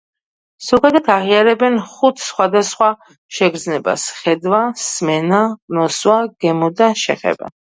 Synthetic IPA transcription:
sɔɡad̪at̪ʰaʁiaɾɛbɛnχut̪ʰsχwad̪asχwa | ʃɛɡɾd̪znɛba̰sχɛd̪wasmɛnanɔswaɡ̥ɛmɔd̪aʃɛ̰χɛ̰ba̰

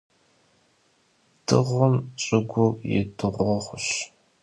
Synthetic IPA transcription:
d̥ɨʁʷʊmt͡ʃʼɪɡʷʊjɪ̰dɨʁʷɔʁʷʊɕ

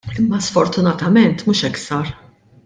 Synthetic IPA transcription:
ɪmːɐsfɔɾt̪ʊnɐt̪ɐmɛnt̪muːʃɛksɐɾ

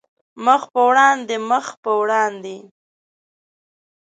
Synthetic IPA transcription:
məxpəwɽɑnd̪eməxpəwɽɑnd̪e

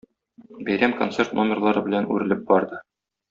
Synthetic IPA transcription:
bæjɾæmko̞nt̪se̞rt̪nomʲɪrlˠɑɾɤbɘ̆lænʉ̰ɾɘ̆lɘp̚bɒɾd̪ɤ

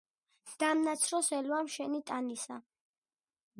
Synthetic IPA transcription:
d̪̥amnat̪sʰɾɔsɛlwamʃɛnit̪ʼanisa

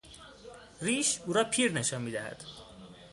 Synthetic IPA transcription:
riːʃuːɾɒːpʰiːɾne̞ʃɒːnmiːd̪æhæ̰d̪̥

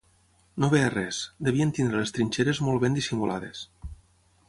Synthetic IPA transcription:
noβearɛsd̪eβient̪ind̪ɾelest̪ɾinʲt͡ʃeɾezmolˠβend̪isimulʔa̰ð̞ḛs

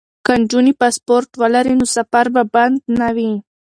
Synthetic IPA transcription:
kaɳd͡ʒunipaspoɾʈwəlaɾinosafaɾbaband̪nawi

